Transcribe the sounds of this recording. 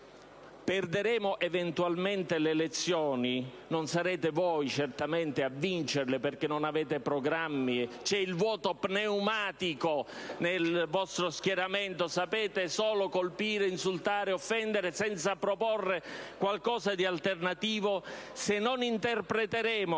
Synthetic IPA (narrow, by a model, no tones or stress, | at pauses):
pɛrd̪eɾɛːmoʔevent̪ualment̪elelet̪sːjɔːni | nonsaɾɛːt̪evɔjt͡ʃert̪ament̪ɪavːint͡ʃerlɪperkenːonaveːt̪epɾoɡɾamːit͡ʃɛilvwɔːt̪opneumaːt̪ikonelvɔst̪ɾoskjɛɾament̪osapɛːt̪esɔːlokolpiːɾeinsult̪aːɾeofːɛnd̪eɾesɛnt̪sapɾopɔrːekwalkɔːzad̪ialt̪ernat̪iːvosenːonint̪erpɾet̪eɾɛːmo